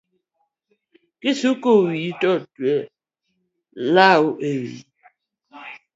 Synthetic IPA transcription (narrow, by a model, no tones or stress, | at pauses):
kisukowitɔtwɛ | lauʔewḭ